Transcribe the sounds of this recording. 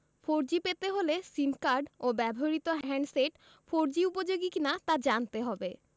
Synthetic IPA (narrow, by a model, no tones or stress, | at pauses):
foɾd͡ʑipet̪eɦolesimkaɾɖobɛbʱoɾit̪oɦɛɳɖseʈ | foɾd͡ʑiupod͡ʑoɡikinat̪ad͡ʑant̪eɦɔbe